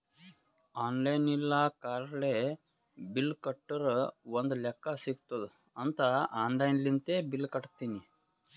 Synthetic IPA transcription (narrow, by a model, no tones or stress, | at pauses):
aːnlɐjnilːakaːɾɭe | bilːkɐʈːɐɾond̪ulɛkːɐsiɡt̪ɐd̪u | ɐnt̪ɐaːnlɐjnlint̪eːbilːkɐʈt̪iːni